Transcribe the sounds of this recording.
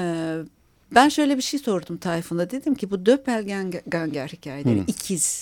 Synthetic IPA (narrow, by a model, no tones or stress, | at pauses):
ɛː | bænʃø̞jlʲɛbiʃejso̞ɾd̪umt̪ʰaːɾifɯnd̪ad̪e̞d̪imcʰibud̪øpælʲɟaɡaɲɟæɾhicʰaːjeeɾicʰiz̥